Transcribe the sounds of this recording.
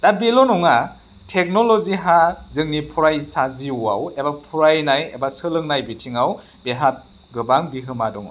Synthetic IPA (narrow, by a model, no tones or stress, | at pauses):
dabelɔnɔŋa | tʰek̚nɔlɔziɦazɯŋnipʰuɾajsaziua̰webapʰuɾajnajḛbasɯlɯŋnajbitʰiŋaw | beɦat̚ | ɡɯbaŋbiɦɯmadɔŋ̰